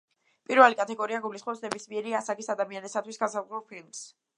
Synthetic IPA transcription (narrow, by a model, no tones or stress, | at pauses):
pʼiɾvɛlikʼat̪ʰɛɡɔɾiaɡulisχmɔpsnɛbismiɛɾiasaɡisad̪amianisat̪ʰwisɡansazɛlˠpʰilms